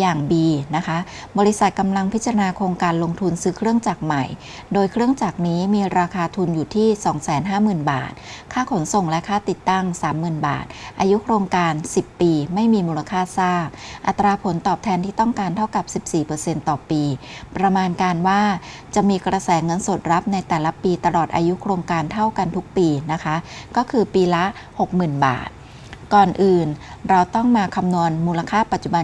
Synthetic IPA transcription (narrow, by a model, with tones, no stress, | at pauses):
jaː˨˩ŋbiː˧na˦˥kʰa˦˥ʔbɔː˧ɾi˦˥sa˨˩t̪̚ka˧mla˧ŋpʰi˦˥t̪t͡ɕa˧ɾa˧naː˧kʰoː˧ŋkaː˧nlo˧ŋt̪ʰu˧nsɯː˦˥kʰɾɯ˥˩əŋt͡ɕaː˨˩k̚ma˨˩j | doː˧jkʰɾɯ˥˩əŋt͡ɕaː˨˩k̚niː˦˥miː˧ɾaː˧kʰaː˧t̪ʰu˧njuː˨˩t̪ʰiː˥˩sɔː˩˦ŋsɛː˩˦nɦaː˥˩mɯː˨˩nba̰ː˨˩t̪̚kʰaː˥˩kʰo˩˦nso˨˩ŋlɛ˦˥kʰaː˥˩t̪i˨˩t̪ːa˥˩ŋsaː˩˦mːɯː˨˩nba̰ː˨˩t̪̚ʔaː˧ju˦˥kʰɾoː˧ŋkaː˧nsi˨˩pːiː˧ma˥˩jmiː˧muː˧la˧kʰaː˥˩saː˥˩k̚ʔa˨˩t̪ːɾaː˧pʰo˩˦nt̪ɔː˨˩p̚t̪ʰɛː˧nt̪ʰiː˥˩t̪ɔ˥˩ŋkaː˧nt̪ʰa˥˩wka˨˩p̚si˨˩p̚siː˨˩pɤː˧se˧nt̪ɔː˨˩piː˧pɾa˧maː˧nkaː˧nwaː˥˩ | t͡ɕa˨˩miː˧kɾa˧sɛː˩˦ŋɤ˧nso˨˩t̪̚ɾa˦˥p̚na˧jt̪ɛː˨˩la˦˥piː˧t̪a˧lɔː˨˩t̪̚ʔa̰ː˧ju˦˥kʰɾoː˧ŋkaː˧nt̪ʰa˥˩wka˧nt̪ʰu˦˥k̚piː˧na˦˥kʰa˦˥kɔː˥˩kʰɯː˧piː˧la˦˥ | ho˨˩k̚mɯː˨˩nba̰ː˨˩t̪̚ | kɔː˨˩nʔɯː˨˩nɾa˧wt̪ɔ˥˩ŋmaː˧kʰa˧mnu˧ənmuː˧la˧kʰaː˥˩pa˨˩t̪̚t͡ɕu˨˩ba˧